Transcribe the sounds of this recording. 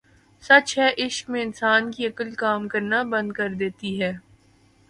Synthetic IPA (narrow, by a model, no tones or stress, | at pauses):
sɐt͡ʃɦɛʔɪʃkmẽɪnsaːnkiɐkəlkaːmkɐɾnabɐ̃nd̪̚kɐɾd̪eːt̪iɦɛː